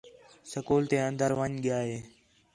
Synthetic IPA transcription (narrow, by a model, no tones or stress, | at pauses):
səkoːlt̪ẽːə̃nd̪əɾʋəɲɠɪjaːɦeː